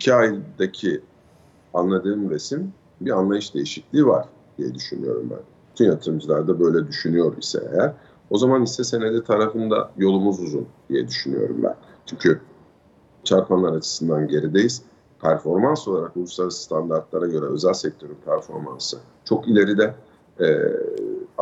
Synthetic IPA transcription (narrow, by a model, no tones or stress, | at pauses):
icʰiajd̪acʰi | anlˠad̪ɯːmɾe̞sim | bianlˠajɯʃd̪e̞jiʃiclʲiːvaɾ̥ | d̪̥ijɛd̪yʃynyjo̞̰ɾṵmbæ̰nb̥yt̪ʰynjat̪ʰɯɾɯmd͡ʒɯlˠaɾd̪abø̞jlʲɛd̪yʃynyjo̞ɾḭsɛ̰ḛjæɾ | o̞zamanisɛse̞ned̪ʲit̪ʰaɾafɯnd̪a̰jo̞lˠumuzuzund̪̥ijɛd̪yʃyny̰jo̞̰ɾṵmbæ̰n | t͡ʃʰyɲcʰy | t͡ʃʰaɾpʰanlˠaɾat͡ʃʰɯ̥sɯnd̪anɟe̞ɾid̪e̞jiz | pʰæɾfo̞ɾmanso̞lˠaɾakolˠuslˠaɾsst̪ʰand̪aɾt̪̚lˠaɾaɟø̞ɾɛø̞zælʲsɛc̚t̪ʰø̞ɾynpʰæɾfo̞̰ɾma̰nsɯ | t͡ʃʰo̞kilʲe̞ɾid̪ɛ | ɛ